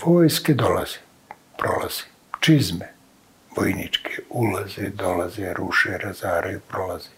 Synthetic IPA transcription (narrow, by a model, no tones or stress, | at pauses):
ʋoːjsked̪ola̰z̥e̥ | pɾo̞̰la̰z̥e̥ | t͡ʃizme | ʋojnit͡ʃkʰeulazed̪olazeɾuʃeɾazaːɾʔeipɾolaz̥e